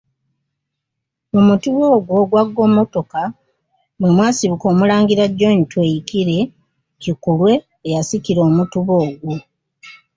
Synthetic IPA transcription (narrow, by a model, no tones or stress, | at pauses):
omutuβoːɡwoːɡwaɡːo̞ːmo̞to̞ka | bwemwaːsiβuko̞ːmulaːŋɡiɾaɟo̞ːɲitwe̞ːjikiɾe̞ | cikulwe̞ː | jasiciɾo̞ːmutuβoːɡwu